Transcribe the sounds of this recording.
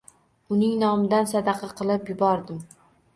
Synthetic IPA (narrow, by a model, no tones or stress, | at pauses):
ʊnɪŋnɒmɪd̪ansad̪ɑqʰɑqʰɨlˠɪpjʊbɒɾd̪ɪm